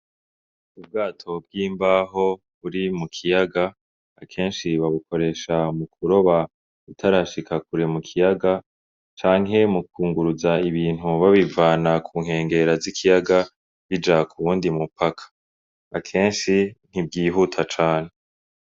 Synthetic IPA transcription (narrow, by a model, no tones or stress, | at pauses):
ub̚ɡaːtʰo̞b̚ɡiːmbaɦo̞ | βuɾimukʰijaɡaː | kʰe̞ːnʃiβaβukʰo̞ɾe̞ːʃamukʰuɾo̞βa | utʰaɾaʃikʰakuɾemukʰijaɡa | t͡ʃaːŋɦe̞mukuːŋɡuɾuzaiβiːn̥ɦuβaβivaːnakʰuːŋ̥he̞ːŋɡe̞ɾazikʰijaɡa | βid͡ʒakʰuβuːndimupakʰḁ | akʰe̞ːnʃin̥ib̚ɡiːɦutʰat͡ʃaːn̥e